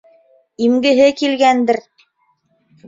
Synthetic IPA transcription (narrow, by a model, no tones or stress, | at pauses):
imɡɘ̆ɦɘkilɡænd̪ɘɾ